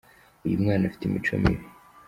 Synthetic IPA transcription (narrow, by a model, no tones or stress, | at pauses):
ujumŋaːnafi̥timit͡ʃo̰mḭwi